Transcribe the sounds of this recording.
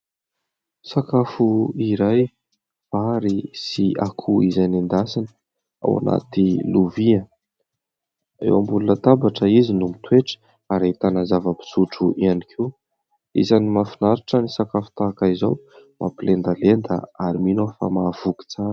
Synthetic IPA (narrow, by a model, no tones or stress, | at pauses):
sakafuiɾaj | faɾisiakʰuizajnand̪asinə | a̰wa̰na̰t̪iluviə | ḛwambulunət̪abaʈ͡ʂəizinumit̪weʈ͡ʂə̥ | aɾet̪anazavəpi̥suʈ͡ʂuʔianikʰe | ḭzanimafinaɾaʈ͡ʂənisakafu̥t̪aːkaizawmʔa̰pilend̪alend̪ə̰aɾiminofa̰mav̥uki̥t͡saɾ